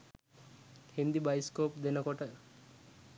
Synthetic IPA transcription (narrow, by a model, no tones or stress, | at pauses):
hind̪ibajskoːpd̪enɔkɔʈə